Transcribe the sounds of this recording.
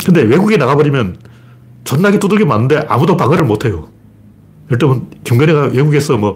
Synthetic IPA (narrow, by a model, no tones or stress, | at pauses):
kɯnde̞we̞ɡuɡenaɣabʌɾimjʌn | t͡ɕʌnːaɡit͈udɯɭɡemanːɯnde̞ʔa̰mudopaŋɯɾɯɭmotʰe̞jo | jʌɭt͈ʌbɯnkimɡʌneɡawe̞ɡuɡe̞sʰʌmwʌ